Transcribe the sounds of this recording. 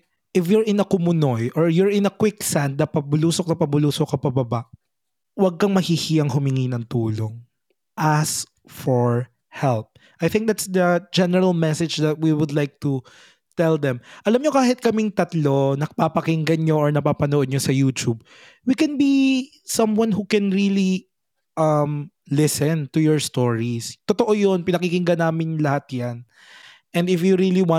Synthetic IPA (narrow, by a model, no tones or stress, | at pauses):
ʔɪfjʊɹɪnɐkʊmʊnojʔɔɹjʊɹɪnɐkwɪksand̪̚nɐpɐbʊluːsok̚nɐpɐbʊluːsokɐpɐbɐbaʔ | wɐɡ̚kɐŋmɐhihiʔɐŋɦʊmɪŋinɐŋt̪uːloŋ | ʔas | fɔɹ | hɛlp̚ | ʔajθɪ̃ŋk̚d̪at̪sd̪ɐd͡ʒɛnɛɹɐlmɛsɛd͡ʒd̪ɐt̪̚wiwʊd̪lajk̚t̪u | t̪ɛld̪ɛ̃mʔɐlamɲokaːhɪt̪̚kɐmɪŋt̪ɐt̪lonɐpapɐkɪŋɡɐnɲoʔɔɹnɐpaːpɐnoʔod̪ɲosɐjuːt̪ub̚ | wikɛnbi | sɐmwɐnɦukɛnɹili | ʔɐm | lɪsɛ̃nt̪ujɔɹst̪oɹist̪ɔt̪oʔojonpɪnɐkikɪŋɡɐnaːmɪnlɐhat̪̚jan | ʔɛnd̪ɪfjuɾiliwã